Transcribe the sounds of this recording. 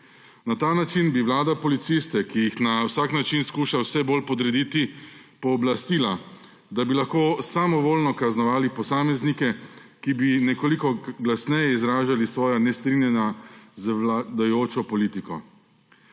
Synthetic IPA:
nat̪aːnat͡ʃinbiʋlaːd̪apɔlit̪sist̪ɛkijixnawsaːknat͡ʃinskuːʃawsɛboːlpɔd̪ɾɛd̪iːt̪i | pɔːblast̪ila | d̪abilaxkoːsamɔʋoːlnɔkaznɔʋaːlipɔsaːmɛznikɛkibinɛkoːlikɔɡlasnɛjɛizɾaːʒalisʋɔːjɔnɛst̪ɾinjɛnazʋlad̪ajoːt͡ʃɔpɔliːt̪ikɔ

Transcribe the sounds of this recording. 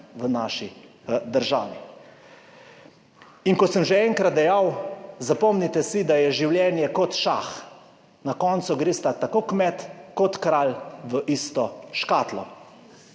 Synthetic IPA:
ʋənaːʃi | d̪əɾʒaːʋi | iŋkɔsəmʒɛɛːŋkɾat̪̚d̪ɛjawzapɔmnit̪ɛsid̪ajɛʒiwljɛːnjɛkɔt̪ʃax | nakɔnt̪suɡɾest̪at̪akokmɛt̪kɔt̪kɾaːlʋəʔist̪ɔʃkaːt̪lɔ

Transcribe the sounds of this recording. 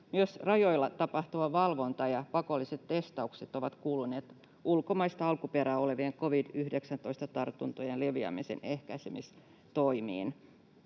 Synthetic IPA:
myøsrɑjo̞ilːɑt̪ɑpɑht̪uɑʋɑlʋo̞nt̪ɑjɑpɑko̞lːiset̪te̞st̪ɑukset̪o̞ʋɑt̪kuːluneːt̪ | ulkomɑist̪ɑɑlkupeɾæːo̞le̞ʋieŋko̞ʋidyhdeksænt̪o̞ist̪ɑt̪ɑrt̪unt̪ojenleʋiɑ̰misḛnehkæisemis | t̪oimḭːn

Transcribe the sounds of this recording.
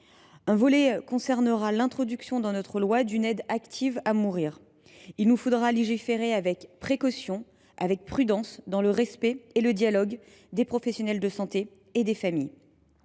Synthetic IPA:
ɛ̃vɔlɛkɔ̃sɛʁnəʁalɛ̃t̪χɔd̪yksjɔ̃d̪ɑ̃nɔt̪χəlwad̪ynɛd̪akt̪ʰivamuʁiːʁ | ilnufod̪ʁaleʒifeʁeavɛkpχekɔsjɔ̃ | a̰vɛk̚pχyd̪ɑ̃sd̪ɑ̃ləʁɛspɛeləd̪jalɔɡ | d̪epχɔfɛsjɔnɛld̪əsɑ̃t̪eː | d̪efamij

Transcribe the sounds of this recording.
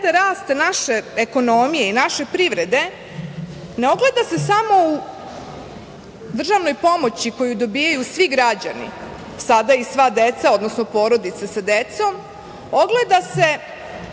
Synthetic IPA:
d̪aɾaːst̪naʃe̞eko̞no̞mijeinaʃe̞pɾiʋɾe̞d̪e̞ | neo̞ɡle̞d̪ase̞samo̞u | d̪r̩ʒaʋno̞jpo̞mo̞t͡ɕiko̞jud̪obiːjajusʋiɡɾad͡ʑa̰nḭ | sad̪aisʋad̪et̪sao̞d̪nosnopo̞ɾo̞d̪it̪sasad̪et̪so̞m | o̞ɡled̪ase̞

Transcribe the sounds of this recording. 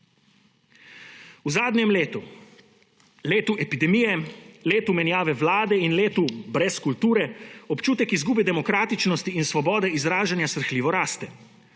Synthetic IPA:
uzaːd̪njɛmleːt̪u | leːt̪uʔɛpid̪ɛmijɛleːt̪umɛnjaːʋɛʋlaːd̪ɛinleːt̪ubɾɛskult̪uːɾɛɔpt͡ʃuːt̪ɛkizɡuːbɛd̪ɛmɔkɾaːt̪it͡ʃnɔst̪iːnsʋɔbɔːd̪ɛizɾaːʒanjasɾxliːʋɔɾaːst̪ɛ

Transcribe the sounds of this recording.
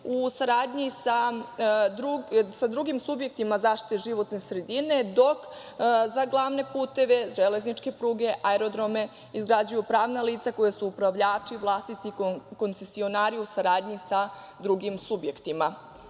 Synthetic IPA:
usaɾaːd̪ɲisa | d̪ɾusad̪ɾuɡimsubje̞k̚t̪imazaːʃt̪i̥t̪eʒiʋo̞t̪ne̞sɾe̞d̪ine̞d̪o̞k | zaɡlˠaʋne̞puːt̪e̞ʋe̞ʒele̞znit͡ʃke̞pɾuːɡe̞ʔaeɾo̞d̪ɾo̞me̞ | izɡɾad͡ʑujupɾaːʋnaliːt̪sako̞jesuːpɾaʋʎaːt͡ʂiʋlˠaːst̪it̪sikont̪se̞sio̞naːɾiusaɾaːd̪ɲisa | d̪ɾuɡimsubje̞kt̪ima

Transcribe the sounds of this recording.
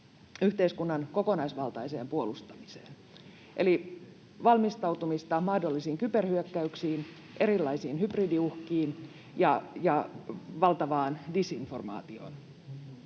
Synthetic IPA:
yht̪eiskunːɑnko̞ko̞nɑisʋɑlt̪ɑise̞̰ːmpuolust̪ɑmisḛːn | ʔḛli | ʋɑlmist̪ɑwt̪umist̪ɑmɑhdolːisiːŋkyperhyøkːæyksiːn | ʔe̞ɾilːɑisiːnhypridiuhkiːn | jɑjɑʋɑlt̪ɑʋɑːndisinfo̞rmɑ̰ːt̪io̞̰ːn

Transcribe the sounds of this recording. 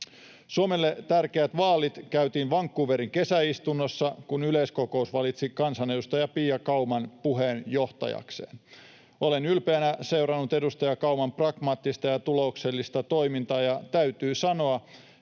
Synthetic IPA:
suomelːet̪ærkeæt̪ʋɑːlit̪kæyt̪iːnʋɑŋkːuːʋeɾiŋke̞sæist̪unːosːɑkunylesko̞ko̞usʋɑlit̪sikɑnsɑne̞dust̪ɑjɑpiːjɑkɑumɑnpuɦeːnjo̞ht̪ɑ̰jɑ̰ksḛːn | o̞lenylpeːnæse̞wrɑnːut̪e̞dust̪ɑjɑkɑumɑmprɑɡ̥mɑːt̪ːist̪ɑjɑt̪ulo̞ukselːist̪ɑt̪o̞imint̪ɑːjɑt̪æyt̪yːsɑno̞ɑ

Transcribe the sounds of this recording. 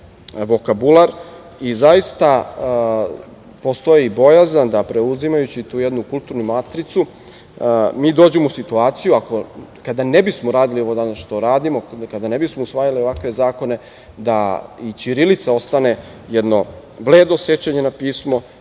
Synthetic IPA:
ʋo̞kabulˠaɾ | izajist̪a | po̞st̪o̞jiːbo̞jazand̪apɾe̞uzimajut͡ɕit̪uːjed̪nukulˠt̪uɾnumat̪ɾit̪su | miːd̪oːd͡ʑemousit̪uaːt̪sijuako̞kad̪anebismo̞ɾaːd̪ilio̞ʋo̞d̪anasʃt̪o̞ɾaːd̪imo̞kad̪anebismousʋaːjalio̞ʋakʋe̞zaːko̞ne̞ | d̪ait͡ʃiɾilit̪sao̞st̪ane̞ | jɛd̪no̞ | ble̞ːd̪osje̞t͡ɕaɲe̞napiːsmo̞

